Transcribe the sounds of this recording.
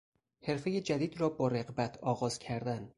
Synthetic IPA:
he̞ɾfe̞jed͡ʒæd̪iːd̪rɒːbɒːɾeɣbæt̪ʰɒːɣɒːz̥cʰæɾd̪æn

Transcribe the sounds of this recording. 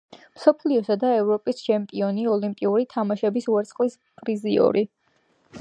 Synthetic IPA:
msɔpʰliɔsad̪aɛvɾɔpʼist͡ʃʰɛmpʼiɔniɔlimpʼiuɾit̪ʰamaʃɛbisuɛɾt̪sʰχlis | pʼɾiziɔ̰ɾi

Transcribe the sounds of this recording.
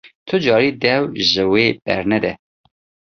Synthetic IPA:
t̪ʰʊd͡ʒɑːɾiːd̪ɛwʒɨweːb̥ɛ̰ɾnɛd̪ɛ

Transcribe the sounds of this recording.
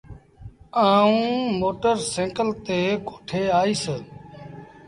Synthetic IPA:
aːũːmoːʈəɾsẽːkəlt̪eːkoːʈʰeːaːiːsə

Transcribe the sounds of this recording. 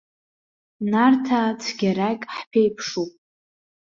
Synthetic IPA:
nartʰat͡sʰɡʲaɾakʲʼħpʰejpʰʂupʼ

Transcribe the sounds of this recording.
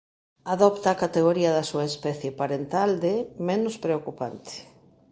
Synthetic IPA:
aðɔpt̪aːkat̪eɣ̞oɾiɐðɐsuaespɛθjepaɾent̪ald̪emenʊspɾeokupa̰nt̪e̥

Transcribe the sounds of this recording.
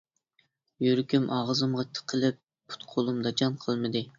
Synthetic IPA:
jyɾkʲʰymʔɑʁəzɨmʁɑt̪ʰə̥qʰəlˠɪp̚ːʰu̥t̪qʰolˠumd̪ɑt͡ʃʰɑnqʰəlˠmɨd̪ɨ

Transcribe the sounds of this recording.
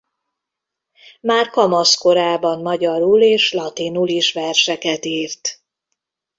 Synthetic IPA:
maːrkɒmosko̞ɾaːbɒnmɒɟɒɾuleːʃlɒt̪inuliʃʋɛrʃɛkɛt̪iːrt̪

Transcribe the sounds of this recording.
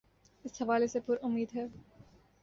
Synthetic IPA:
ɪshɐʋaːlesepʊɾʊmːiːd̪ɦɛː

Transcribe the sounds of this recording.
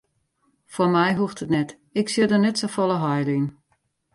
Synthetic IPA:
fɔmɛjɦuxtətnɛt | ɪksiədənɛtsofɔlˠəɦɔjlin

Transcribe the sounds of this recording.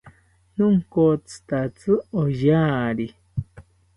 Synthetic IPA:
nũŋ̩kot͡sɨ̥t̪at͡sɨojaːɾi

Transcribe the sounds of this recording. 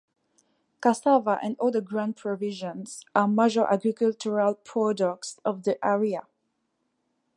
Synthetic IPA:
kasavaʔɛ̰̃ndɔldəɡɹãnpʰɹɔvɪʒə̃nsamaʒəʔa̰ɡɹikəlt͡ʃəɹalpʰɹɔdɔk̚sɔvðiʔɛɹia

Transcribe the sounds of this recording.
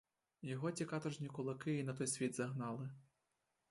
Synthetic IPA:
jɔɦɔt͡sʲikɑt̪ɔʒnʲikʊlˠɐkɪinɐt̪ɔjsʲʋʲid̪zɐɦnɑlˠɪ

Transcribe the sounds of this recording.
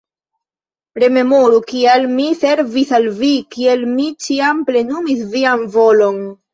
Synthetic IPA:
ɾe̞me̞moɾukialmise̞ɾvisalvikielmit͡ʃiample̞numisvianvo̞lo̞n

